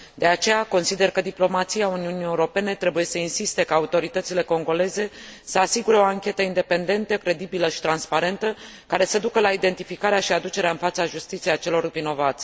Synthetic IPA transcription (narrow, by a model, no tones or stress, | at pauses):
d̪e̞at͡ʃe̞jako̞nsid̪e̞rkəd̪iplo̞mat̪sijauniunije̞uɾo̞pe̞ne̞t̪ɾe̞buje̞səinsist̪e̞kaːut̪o̞ɾit̪ət̪sile̞ko̞ŋɡo̞le̞ze̞səasiɡuɾe̞o̞aŋkʲe̞t̪əind̪e̞pe̞nd̪e̞nt̪əkɾe̞d̪ibiləʃi̥t̪ɾanspaɾe̞nt̪ə | kaɾe̞səd̪ukəlaid̪e̞nt̪ifikaɾeaʃiad̪ut͡ʃe̞ɾeaɨnfat̪səaʒust̪it̪siejat͡ʃe̞lo̞rvino̞vat̪sʲ